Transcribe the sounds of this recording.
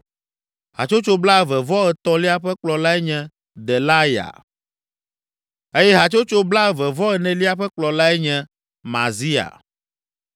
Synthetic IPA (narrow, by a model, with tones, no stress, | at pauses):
ɦa̰˨t͡ʃo˦t͡ʃo˦bla˦˨vɛ˨vɔ˦ɛ˨t̪ɔ˦li˦a˦ɸɛ˦k͡plɔ˨la˦ɛ˦ɲɛ̃˨ | d̪ɛ˨la˦ja̰˨ | e˦jɛ˦ɦa˨t͡ʃo˦t͡ʃo˦bla˦˨vɛ˨vɔ˦ɛ˨nɛ̃˨li˦a˦ɸɛ˦k͡plɔ˨la˦ɛ˦ɲɛ̃˨ | ma̰˨zi˦a̰˨